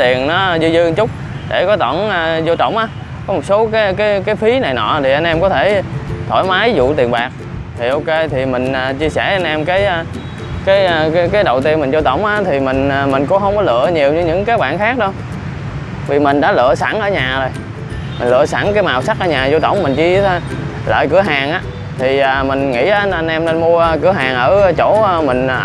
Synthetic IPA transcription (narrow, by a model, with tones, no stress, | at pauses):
t̪i˨˩ənnɔ˨˦zɨ˧zɨ˧ŋt͡ɕʊ˦˥k͡p̚ | ɗe˧˩kɔ˨˦t̪ɔ˧˩na˨zo˧t͡ɕə̰˧˨wŋ͡mʔaː˨˦ | kɔ˨˦mo˨˩t̚so˨˦kaː˨˦jkaː˨˦jkaː˨˦jfi˨˦na˨˩jnɔ̰˧˨˩t̪ʰi˨˩ʔə˧nʔɛ˧mkɔ˨˦t̪ʰe˧˩t̪ʰo˧˩˦jma˨˦jzṵ˧˨t̪i˨˩ənɓaː˨˩k̚ | t̪ʰi˨˩ʔo˧ke˧t̪ʰi˨˩mï˨˩ŋ̟ʔaː˨˩t͡ɕi˧əsɛ˧˩ʔa˧nʔɛ˧mkaː˨˦jʔ | kaː˨˦jkaː˨˦jkaː˨˦jɗə˨˩wt̪i˧ənmï˨˩ŋ̟zo˧t̪ə̰˧˩wŋ͡mʔaː˨˦t̪ʰi˨˩mï˨˩ŋ̟ː˨˩mï˨˩ŋ̟kʊ̰˧˦ɦə˧wŋ͡mkɔ˨˦lɨ̰˧˨əɲi˨˩əwɲɨ˧ɲɨ̰˧˥ŋkaː˦˥k̚ɓa̰ː˧˨nxaː˦˥k̚ɗə˧w | vi˨˩mï˨˩ŋ̟ɗa̰ː˧˦lɨ̰˧˨əsa˧˩ŋʔəː˧˦ɲaː˨˩zo˨˩j | mï˨˩ŋ̟lɨ̰˧˨əsa˧˩ŋkaː˨˦jmaː˨˩wsa˦˥k̚ʔəː˧˦ɲaː˨˩zo˧t̪ə̰˧˩wŋ͡mmï˨˩ŋ̟t͡ɕi˧˨˦ | lə̰ː˧˨jkɨ˧˩əɦaː˨˩ŋʔaː˨˦ | t̪ʰi˨˩ʔəː˨˩mï˨˩ŋ̟ŋḭ˧˥˧nʔa˧nʔɛ˧mne˧nmu˧əʔkɨ˧˩əɦaː˨˩ŋʔəː˧˩˧t͡ɕo˧˥˦mï˨˩ŋ̟˨